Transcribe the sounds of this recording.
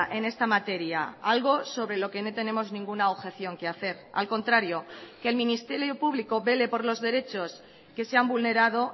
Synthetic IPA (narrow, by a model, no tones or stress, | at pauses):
ʔe̞ne̞st̪amat̪e̞ɾja̰alɣo̞so̞βɾe̞lo̞ke̞no̞t̪e̞ne̞mo̞znĩŋɡunaoβxe̞θjo̞ŋke̞aθe̞ɾa̰lko̞nt̪ɾaɾjo̞keːlmĩnist̪e̞ɾjo̞puβliko̞βe̞le̞po̞ɾlo̞zðe̞ɾe̞t͡ʃo̞s | ke̞seambulne̞ɾað̞o̞